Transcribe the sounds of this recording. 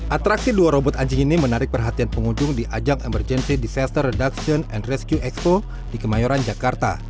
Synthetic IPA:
ʔat̪ɾaksiduaɾobɔt̪aɲd͡ʒɪŋinimənaɾɪk̚pərɦat̪ianpəŋuɲd͡ʒʊŋdiʔad͡ʒaŋɛmərd͡ʒɛnsidisast̪ərːɛdaksiɔnɛnrɛskjuʔɛkspo | dikəmajɔɾand͡ʒakart̪a̰

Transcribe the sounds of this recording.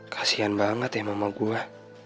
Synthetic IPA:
kʰḁsianbaŋət̪amamaɡua

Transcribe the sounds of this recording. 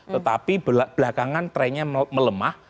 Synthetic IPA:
t̪ət̪apibb̥lakaŋant̪ɾɛɲamələmah

